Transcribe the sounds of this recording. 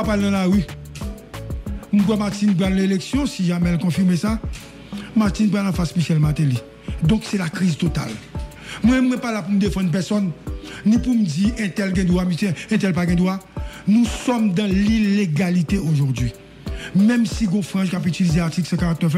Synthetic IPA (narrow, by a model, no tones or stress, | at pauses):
apaled̪ãlaʁy | mubwɛmaʁtinbad̪̃leleksjɔ̃siʒamɛlkɔ̃fimesa | maʁt̪inbalãfaspisjɛlmat̪eli | d̪ɔ̃ksɛlakʁizt̪ot̪a̰l | mwɛ̃mwɛ̃palapumd̪efɑ̃d̪pɛʁsɔnːĩpumd͡ziʔɛ̃t̪ɛlɡɛ̃d̪wamitɛ̃ɛ̃t̪ɛlpaɡɛ̃d̪wanũsɔmd̪ãlileɡalit̪eoʒuʁdɥi | mɛ̃msiɡɔ̃fʁɑ̃ʒkapytilizeaʁt̪iklsɛ̃kaʁak̚t̪ɛf